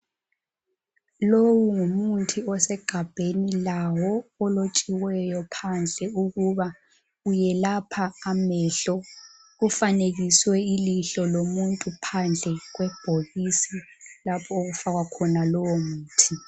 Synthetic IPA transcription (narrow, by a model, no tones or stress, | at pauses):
lowuŋumuntʰiɔsɛɡ̥ʱab̥ʱenilawɔɔlot͡ʃʼiwɛjɔpʰand͡ɮʱɛuɣuβa | ujɛlapʰaːmɛːɬɔ | ufaneɣiswɛiliɬɔlomuntʼupʰand͡ɮʱɛɣwɛb̥ʱoɣisilapʰɔoɣufaɣwakʰɔnalɔwɔmuːtʰi